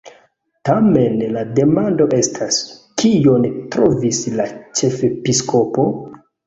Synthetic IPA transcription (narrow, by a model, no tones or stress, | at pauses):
tamenlade̞mando̞ʔe̞stʰaskʰijo̞ntɾovislat͡ʃe̞fepiskʰo̞po̞